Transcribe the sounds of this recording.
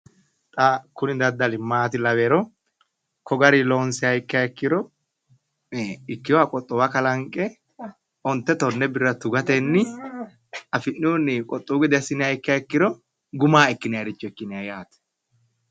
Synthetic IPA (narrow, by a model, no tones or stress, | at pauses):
t̪ʼɐkʊnɪd̪ɐd̪ːɐlɪmːaːt̪ɪlɐweːɾɔ | kɔɡɐɾiloːnsɪɐjɪkːɪaɪkːɪɾɔ | ɪkːɪjɔakʼɔt̪ʼːɔwɐkɐlɐŋkʼɛ | ʔɔnt̪ːɛt̪ɔnːɛbɪrːɐt̪ʊɡɐt̪enːɪ | ɐfɪnːuːnːikʼɔt̪ʼːuːɡɪd̪ɛɐsɪnɪaɪkːɪaɪkːɪɾɔ | ɡʊmaːɛkːɪnɪjaɾɪt͡ʃːɔɛkːɪnɪajaːt̪ɛ̥